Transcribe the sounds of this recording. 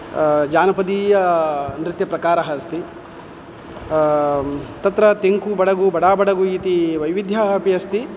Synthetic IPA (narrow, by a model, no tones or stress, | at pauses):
d͡ʒaːnɐpɐd̪iːjɐnɾɪt̪jɐpɾɐkaːɾɐɦɐst̪i | t̪ɐt̪ɾɐt̪eŋkubɐɽɐɡubɐɽaːbɐɽɐɡuit̪iʋɐjʋid̪ʱjɐɦɐpijɐst̪i